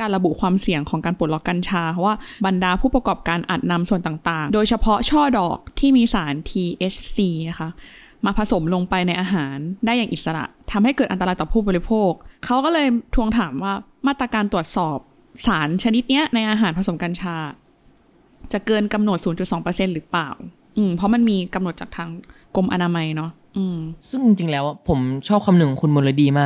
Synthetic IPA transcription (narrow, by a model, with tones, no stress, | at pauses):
kaː˧nɾa˧bu˨˩kʰwaː˧msi˨˩˦əŋkʰɔː˩˦ŋkaː˧npu˨˩t̪̚lɔ˦˩kːa˧nt͡ɕʰaː˧a˧˥waː˥˩ba˧ndaː˧pʰuː˥˩pɾa˧kɔː˨˩p̚kaː˧nʔa̰ː˨˩t̪̚na˧msu˨˩ənt̪aː˨˩ŋt̪aː˨˩ŋdoː˧jt͡ɕʰa˧pʰɔ˦˥t͡ɕʰɔː˥˩dɔː˨˩k̚t̪ʰiː˥˩miː˧saː˩˦nt̪ʰiː˧ʔe˦˥t͡ɕʰsiː˧na˦˥xʰa˦˥ | maː˧pʰa˧so˨˩˦mlo˧ŋpa˧jna˧jʔaː˧ɦaː˩˦ndaː˥˩ja˨˩ŋʔi˨˩sa˧ɾa̰˨˩ʔt̪ʰa˧mha˥˩jkɤː˨˩t̪ʔa˧nt̪ːaː˧jt̪ɔː˨˩pʰuː˥˩bɔː˧ɾi˦˥pʰoː˥˩k̚ʰːa˦˥wkɔː˥˩lɤː˧jt̪ʰu˧əŋt̪ʰaː˩˦mwaː˥˩maː˥˩t̪ɾa˧kaː˧nt̪u˨˩ə˩t̪̚sɔː˨˩p̚ | saː˩˦nt͡ɕʰa˧ni˦˥t̪̚ni˦˥ɐna˧jʔaː˧ɦaː˩˦npʰa˧so˩˦mkaː˧nt͡ɕʰaː˧˥ | t͡ɕa˨˩kɤː˧nka˧mno˨˩t̪̚suː˩˦nt͡ɕu˨˩t̪sɔː˩˦ŋpɤː˧se˧nɾɯː˩˦plaː˨˩w | ʔɯː˧˩mpʰɔ˦˥ma˧nmiː˧ka˧mno˨˩t̪̚t͡ɕa˨˩t̪ʰaː˧ŋ | ko˧mʔa˧naː˧ma˧jnɔ˦˥ʔ | ʔɯː˧˩msɯ˥˩ŋt͡ɕi˧ŋt͡ɕi˧ŋlɛː˦˥wa˩pʰo˩˦mt͡ɕʰɔː˥˩p̚kʰa˧mnɯ˨˩ŋ˩kʰu˧nmo˧lo˦diː˧maː˥˩k̚